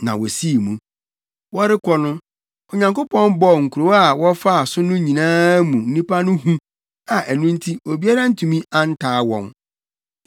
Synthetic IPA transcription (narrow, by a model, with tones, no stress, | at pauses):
nã̰˨wɔ˨si˦˨mũ˦ | wɔ˦ɾɪ˦kʰɔ˦nʊ̃˦ | ɔ˨ɲã˨ŋko˦pʰɔ̃˦nbɔ˦˨ŋ̩˨kʰu˨ɾo˨˦a˨wɔ˦fa˦a˨sʊ˦nʊ̃˦ɲĩ˨nãː˦mũ˨n̩˦ĩ˦pʰa˦nʊ̃˦ɦũ˦ | a˨ʔæ˨nũ˦n̩˦tʰi˦o˨bi˦a˦ɾa˦n̩˦tʰũ˨mĩ˦ʔa˦n̩˦tʰaː˨˦wɔ̰̃˦n